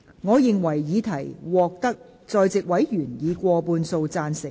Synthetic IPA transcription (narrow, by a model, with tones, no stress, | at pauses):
ŋɔː˨˧jɪ˨˧ŋwɐ˨˩jjiː˨˧t̪ʰɐ˨˩jwɔː˨k̚t̪ɐ˥k̚ | t͡sɔː˧jt͡sɪ˨k̚wɐ˨˥jjyː˨˩njiː˨˧kʷɔː˧puː˧nso˧wt͡saː˧nsɪ˨˩